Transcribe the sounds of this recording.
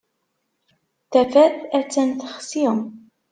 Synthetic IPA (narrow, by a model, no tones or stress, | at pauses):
θæfæθæt͡sːænθəχsiə